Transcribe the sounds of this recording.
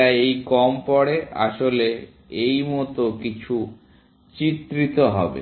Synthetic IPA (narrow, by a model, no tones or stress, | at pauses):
aejkɔmpɔɽea̰ʃole | ejmɔt̪okit͡ɕʰu | t͡ɕit̪ːɾit̪oɦɔ̰bḛ